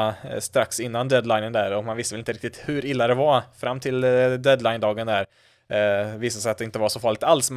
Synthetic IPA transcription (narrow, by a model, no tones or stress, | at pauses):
st̪ɾaksɪnːand̪ɛd̪lajnənd̪æɾɔkmanvɪst̪əvɛlɪnəɾɪkt̪ɪt̪hɵɾɪlːad̪ɛvafɾamːt̪ʰɪld̪ɛd̪lajnd̪ɑːɡənd̪æɾ | viːsasɛjat̪̚d̪ɛɪnt̪əvaʂɔfɑːɭɪɡ̚t̪alsm